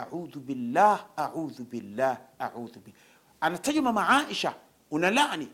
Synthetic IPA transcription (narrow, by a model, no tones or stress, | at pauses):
ʔa̰ʕuːðubɪlːaːhʔaʕuːðbɪlːaːhʔaʕuːðbɪ | ʔanat̪ad͡ʒmamaʕaːʔɪʃa | wɪnalaʔni